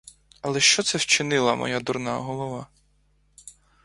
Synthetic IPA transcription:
ɐlˠɛʃt͡ʃɔt̪sɛwt͡ʃɪnɪlˠɐmɔ̰jad̪urnɑ̰ɦɔlˠɔʋɑ

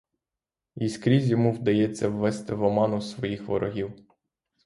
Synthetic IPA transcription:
iskɾʲizʲjɔmuwd̪ɐjɛt͡sʲːɐwːɛst̪ɪʋɔmɑnʊsʋɔjixʋɔɾɔɦʲiw

